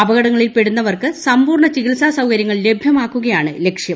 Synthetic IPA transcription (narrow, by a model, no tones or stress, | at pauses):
ɐbɐɣɐɽɐŋːɐɭilpe̞ɽunːɐʋɐrkɨsɐmbuːrɳɐt͡ɕiɣilsaːsɐwkɐɾjɐŋːɐɭle̞bʱjɐmaːkːuɣɐjaːɳɨle̞kʂjɐm